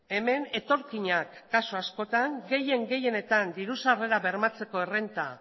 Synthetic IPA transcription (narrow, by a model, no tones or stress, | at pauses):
e̞me̞ne̞t̪o̞ɾkiɲakːasuasko̞t̪aŋɡe̞je̞ŋɡe̞je̞ne̞t̪and̪iɾusare̞ɾaβe̞ɾmat͡se̞ko̞e̞re̞nt̪a̰